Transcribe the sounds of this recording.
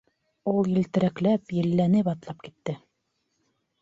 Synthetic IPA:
ulˠjɘ̆lt̪ɘ̆ɾæklæpjɘ̆lːænɘpɑt̪lˠɑp̚kit̪ːɘ

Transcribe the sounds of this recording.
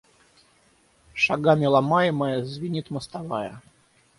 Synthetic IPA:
ʂaɡamʲɪlˠamajɪməjəzvʲɪnʲit̪məst̪avajə̰

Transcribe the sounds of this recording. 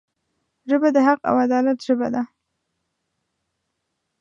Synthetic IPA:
ʒəbad̪əɦaqa̰wad̪ɑlat̪ʒəba̰d̪a

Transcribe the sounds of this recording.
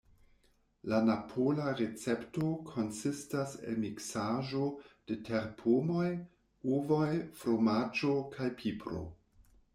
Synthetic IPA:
lanapʰolaɾet͡se̞pto̞kʰo̞nsistase̞̰lmiksaʒo̞d̥e̞tʰe̞ɾpʰomo̞j | uvojfɾomad͡ʒo̞kʰajpʰipɾo̞̰

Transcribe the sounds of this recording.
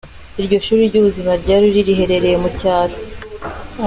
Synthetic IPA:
iɾɟo̞ʃuːɾiɾɟuβuzimaɾɟaːɾiɾiɾiɦe̞ɾe̞ɾe̞jemucaːɾo

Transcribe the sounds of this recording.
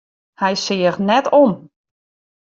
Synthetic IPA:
hɛjsɪəxnɛtʰom

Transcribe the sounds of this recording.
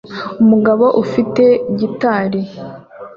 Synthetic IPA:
umuɡaβo̞ʔufite̞ɟitaːɾi

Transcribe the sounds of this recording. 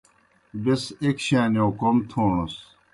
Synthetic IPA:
besekɕaːniokomt̪ʰoːɳos

